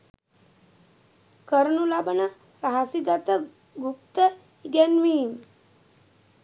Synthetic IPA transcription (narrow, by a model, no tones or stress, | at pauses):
kəɾnulabənɐ | ɾaɦasiɡat̪ə | ɡup̚t̪ə | iɡenʋiːm